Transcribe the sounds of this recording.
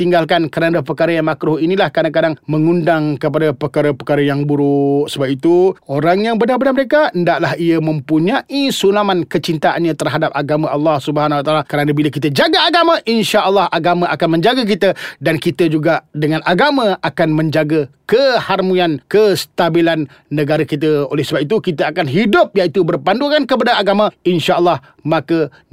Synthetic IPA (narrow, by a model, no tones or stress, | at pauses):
t̪iŋɡalkankəɾadapərkaɾəjaŋmakɾʊhinilahkadaŋkadaŋməŋundaŋkəp̬adapərkaɾəpəkaɾəjaŋbuɾuʔsəbap̚it̪uoɾaŋjaŋbənarbənaməɾekaəndaʔlaɦiəmə̃mpuɲãʔisunamankət͡ʃint̪aʔanɲãt̪ərɦadap̚aɡamãʔɑlːɑhsubəɦanwat̪aːlakəɾanabilakit̪əd͡ʒaɡaaɡamaʔinʃaʔəlˠːɑhaɡamãʔakanmə̃ɲd͡ʒaɡak̬it̪ədankit̪əd͡ʒuɡadəŋãnaɡamãakanmə̃ɲd͡ʒaɡəkəharmuankəst̪abilanː | ə̃ɡaɾakit̪̬əolɛhsəbap̚it̪ukit̪əakanɦidʊp̚jaʔit̪ubərpanduŋankəp̬adaaɡamãinʃaʔəlˠːɑh | mãkə